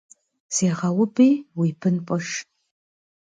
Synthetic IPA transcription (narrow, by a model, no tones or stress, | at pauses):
seːʁɐwʊpʰʼijwipʰɨnpʼɐʂ